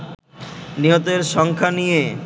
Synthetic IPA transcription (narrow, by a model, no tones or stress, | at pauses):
niɦot̪eɾʃɔŋkʰanije